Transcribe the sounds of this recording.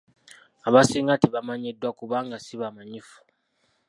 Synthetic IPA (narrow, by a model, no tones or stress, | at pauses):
aβasiːŋɡatiβamaɲedːwakuβaːŋɡasiβamaɲifu̥